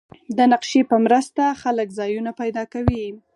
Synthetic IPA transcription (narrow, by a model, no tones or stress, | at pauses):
d̪ənaqʃepəmɾəst̪axaləkzɑjunapajd̪ɑkawi